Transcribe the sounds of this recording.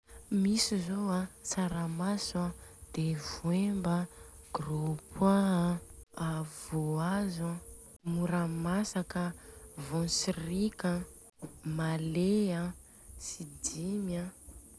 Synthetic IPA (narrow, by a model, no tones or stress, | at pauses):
misizoasaɾamasad̪̥evwembəɡ̥ropʰa | avoaza | muɾamasakəvɔ̃sirikə | malea | sid̪imjə